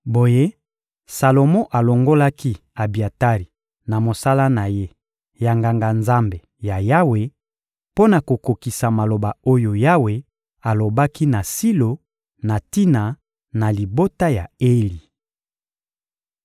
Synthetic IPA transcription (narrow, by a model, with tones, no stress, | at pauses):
bo˨je˦ | sa˨lo˨mɔ˦ʔa˨lo˨ŋɡo˦la˦ki˦a˨bi˨a˨ta˦ʁi˨ | na˨mo˨sa˦la˦na˨je˦ | ja˨ŋɡa˨ŋɡa˨nza˦mbe˨ | ja˨ja˦we˨ | po˦na˨ko˨ko˨ki˨sa˨ma˨lo˨ba˨o˦jo˨ja˦we˨ | a˨lo˨ba˦ki˦na˨si˦lo˨ | na˨ti˦na˨ | na˨li˨bo˦ta˦ja˨e˦li˨